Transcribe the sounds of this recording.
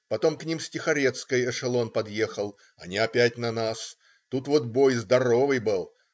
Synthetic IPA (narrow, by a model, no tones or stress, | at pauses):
pɐt̪o̞mknʲimsʲtʲɪxɐɾʲet̪skəjɛʂɨlˠo̞npɐd̪jexəlˠ | ɐnʲɪɐpʲætʲnɐnas | t̪ut̪vo̞t̪bo̞jzd̪ɐɾo̞vɨjbɨlˠ